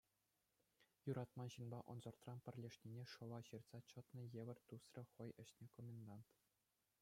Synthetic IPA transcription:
juɾɑt̪mɑnʑɯnbɑʔŏnzɤ̆rt̪rɑnpʲɘ̆rʲlʲeʂnʲinʲeʂɤ̆ʋɑɕirt̪sɑt͡ɕɤ̆t̪nɤ̆jeʋʲɘ̆rʲt̪usrʲɘ̆χɤ̆jɘ̆ɕnʲekomʲend̪ɑnt̪

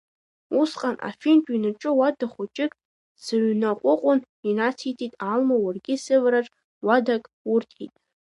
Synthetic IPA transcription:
usqʼanʔa̰fintʼinɨʈ͡ʂʼɨwadaχʷʊt͡ʃʼɪkʼ | sɨɥnaqʷʼʊqʷʼʊn | inat͡sʰitʰitʼalmawarɡʲɪsɨvɾaʈ͡ʂʼ | wadakʼ | ʊrtʰḭtʼ

